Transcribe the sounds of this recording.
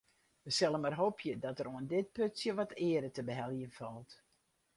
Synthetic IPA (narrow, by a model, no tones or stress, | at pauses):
ʋəsɛlˠəmarɦoːpʰjədɔtəɾoəndɪt̚pøtsjəʋɔtʰɪədətəbəɦɛlˠjənfɔlˠt